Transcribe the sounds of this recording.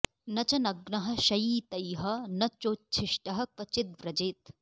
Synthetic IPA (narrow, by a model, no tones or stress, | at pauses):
nɐt͡ʃɐnɐɡnɐɦɐ̆ʃɐjiːt̪ɐjɦɐ̆nɐt͡ʃoːt͡ʃʰiʃʈɐɦɐ̆kɐt͡ʃɪt̪̚ʋɾɐd͡ʒeːt̪